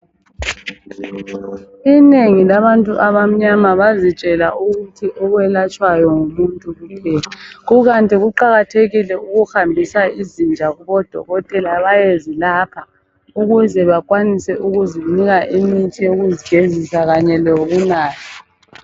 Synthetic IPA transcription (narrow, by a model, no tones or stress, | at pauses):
ineŋilaβantʼuʔaβam̩ɲamaβazit͡ʃʼɛla̰ʔuɣutʰiʔɔɣwɛlat͡ʃʼwajɔŋumuntʼuɣupʰɛːlaɣuɣantʼiɣuǃaɣatʰeɣilɛuɣuxambʱisaizind͡ʒʱaɣuβɔd̥ʱɔ̰ɣɔtʼɛlaβajezilapʰa | uɣuzɛβakʼwanisɛʔuɣuziniɣaʔimitʰʼijoɣuziɡ̥ʱezisaɣaɲɛloβunaːtʰi